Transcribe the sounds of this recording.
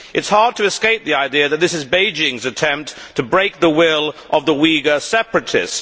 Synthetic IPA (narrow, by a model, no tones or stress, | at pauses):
ʔɨtshɑɹd̚tʰɨɨskeɪp̚ðiaɪdiɨðɨt̪̚ðɪsɨzbeɪd͡ʒɪ̃ŋzɨtʰɛ̃mp̚tʰɨbɹeɪk̚ðəwɪlˠʔʌvðəwiɡə˞sɛpɹɨtʰɪ̰s